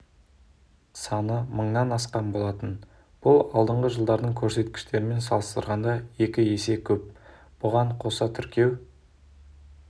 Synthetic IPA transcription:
sɑnəməɴnɑnɑsqɑmbo̞lˠɑt̪ən | b̥ʊlˠɑlˠd̪əɴʁəʒəlˠd̪ɑɾd̪əɴkʲʰɵɾse̞t̪kʲɪ̥ʃt̪e̞ɾɪme̞nsɑlˠəst̪ə̰ɾʁɑnd̪ɑje̞kʲɪe̞se̞kʲʰɵp̚ | b̥ʊʁɑɴqʰo̞sɑt̪ʰʏɾkʲʰe̞w

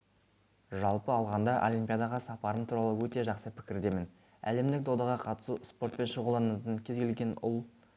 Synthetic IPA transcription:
ʒɑlˠpəɑlˠʁɑnd̪ɑʔo̞̰lʲijmpʲijad̪ɑʁɑsɑpɑɾəmt̪ʰuɾɑlˠəwɵt̪e̞ʒɑqsəpʰɪ̥kʲɪɾd̪e̞mɪn | æ̰le̞md̪ɪk̚d̪od̪ɑʁɑqʰɑt̪ə̥suspo̞ɾt̪̚pe̞nʃəʁulˠd̪ɑnɑt̪ənkʲʰe̞zɡʲe̞lɡʲe̞nʊ̰lˠ

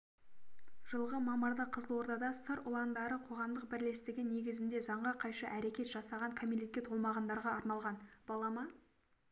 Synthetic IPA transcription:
ʒ̥əlˠʁəmɑməɾd̪əqʰəzəlˠwo̞ɾd̪ɑd̪ɑsəɾʊlˠɑnd̪ɑɾəqʰo̞ʁɑmd̪əqbɪɾle̞st̪ɪɡʲɪne̞ɡʲɪzɪnd̪e̞zɑɴʁɑqʰɑjʃəʔæɾe̞kʲe̞t̪ʒ̥ɑsɑʁɑŋkʰomʲilʲekʲːet̪ʰolˠmɑʁɑnd̪ɑɾʁɑɑɾnɑlˠʁɑnb̥ɑlˠɑmɑ

